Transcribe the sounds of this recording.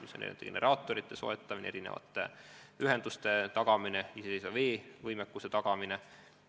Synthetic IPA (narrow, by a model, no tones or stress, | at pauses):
misonḛḭet̪ːˑe̥ene̞̰ɾɑːt̪ːˑo̞ɾit̪ˑːe̞so̞̰et̪ˑːɑmin̰eɾinḛvɑ̰t̪ːˑḛyɦe̞nd̪̥ust̪e̞t̪ɑɡ̥ɑmineisesejsɑveːvɯjmekːuset̪ɑɡ̥ɑmine